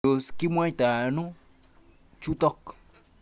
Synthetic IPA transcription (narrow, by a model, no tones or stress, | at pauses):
oskimuãjt̪anũ | t͡ʃut̪ɔk